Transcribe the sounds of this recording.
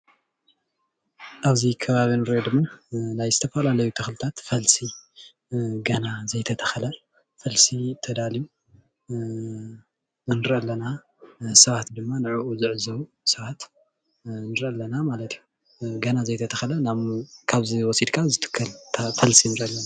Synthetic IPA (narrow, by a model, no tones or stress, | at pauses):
ʔaβzikʰɐβaβinɨɾʔod̪ɨmːanajzɨt̪ʰɐfɐlalɐjut̪ʰɐxlɨt̪ʰat̪fɐlsi | ɡɐnazɐjt̪ʰɐt̪ʰɐ̥xɐlɐ | fɐlsit̪ʰɐd̪aliju | nɨɾʔɐlːɐna | sɐβat̪d̪ɨmːanɨʕuʔuzɨʕɨzɐβu | sɐβat̪ | nɨɾʔɐlːɐnamalɐt̪iju | ɡɐnazɐjt̪ʰɐt̪ʰɐxɐlɐnamkʰaβziwɔsid̪kʰazɨt̪ʰɨ̥kʰːɐlt̪ʰfɐlsinɨɾʔɐlːɐna